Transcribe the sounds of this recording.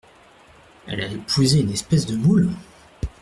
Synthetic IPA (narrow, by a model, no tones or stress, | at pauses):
ɛ̰laepʰuzeynɛspɛsd̪əmul